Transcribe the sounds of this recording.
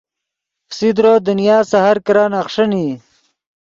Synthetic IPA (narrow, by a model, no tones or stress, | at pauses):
fsid̪ɾod̪unjaːsahaɾkɐɾaːnaχʂəni